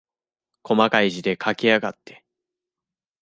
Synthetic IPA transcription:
kʰo̞makaiʑid̪e̞kʰakʲiaɡat̪ːe̞

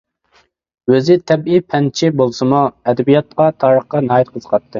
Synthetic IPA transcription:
øzɪt̪ʰɛbipʰɛnt͡ʃʰibolˠsɨmuɛd̪ɛbijɑt̪̚qɑt̪ʰɑːɾəχqɑnɑːjit̪̚qʰəzə̥qʰɑt̪ʰːɨ

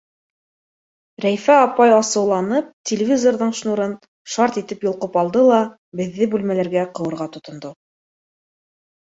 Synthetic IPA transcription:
ɾæjfæɑpɑjɑsɤ̆wlˠɑnɤp̚tʲɪlʲɪvʲizorðɤɴʃnuɾɤn | ʃɑɾt̪it̪ɘpjŏlˠqɤpɑlˠd̪ɤlˠɑ | bɘ̆ðːɘbʉlmælæɾɡæqɤ̆wɤ̆ɾʁɑt̪ŏt̪ŏnd̪o

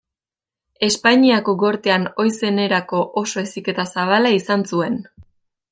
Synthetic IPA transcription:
e̞spaɲiako̞ɡo̞ɾt̪eano̞jse̞ne̞ɾako̞ʔoso̞e̞sike̞t̪asaβ̞alaisansue̞n

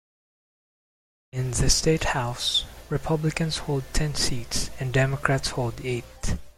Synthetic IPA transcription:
ɪ̃nðɨsteɪthaʊsɹɨpʰʌblɪkə̃nsholˠd̚tʰɛ̃nsitsɨ̃ndɛmɔkʰɹætsholˠdet̚

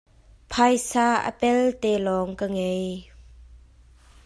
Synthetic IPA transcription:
pʰajsaːʔə̰pɛlt̪ɛlɔŋkəŋej

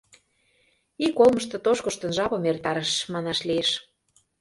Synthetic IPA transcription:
ikolˠmɤ̆ʃ̬t̪ɤ̆t̪oʃkŏʃt̪ə̆nʒɑβɤ̆mert̪ɑɾəʃmɑnɑʃlieʃ

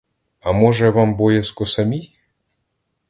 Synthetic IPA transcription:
amoʒɛvambojeskosamʲij

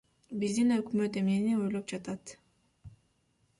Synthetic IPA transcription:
bizd̪inø̞kmø̞t̪e̞mnenio̞jlˠop̚d͡ʒɑt̪ɑt̪

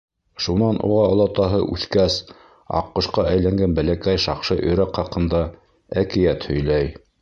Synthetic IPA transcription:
ʃunɑnʔṵʁɑŏlˠɑt̪ɑɦɤʔʉθkæs | ɑ̰qːŏʃqɑʔæjlæŋɡænbælækæjʃɑqʃɤʔɵ̆jɾækχɑqɤ̆nd̪ɑ | ækɘ̆jæt̪hɵ̆jlæj

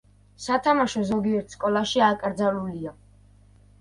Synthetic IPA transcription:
sat̪ʰamaʃɔzɔɡiɛɾt̪ʰskʼɔlˠaʃiakʼɾd̪zalulia

